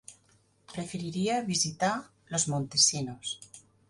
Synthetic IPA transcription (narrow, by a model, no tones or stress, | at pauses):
pɾe̞feɾiɾiaβisit̪a | lo̞zmõnt̪e̞sinos